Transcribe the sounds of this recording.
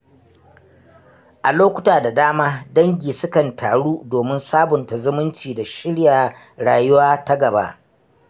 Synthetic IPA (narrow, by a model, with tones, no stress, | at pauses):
ʔa˨loː˦kʷʊ˦taː˨da˨daː˦maː˦dɐ˦ŋɡʲiː˨sʊ˦kɐ˨ntʰaː˨ɽuː˦doː˨mɪ˦nsaː˦bʊ˨nta˨zʊ˦mʊ˦nt͡ʃiː˨da˨ʃɪ˦ɽjaː˨ | ɽaː˨jʊ˦waː˦ta˦ɡɐ˨ba̰˦ʔ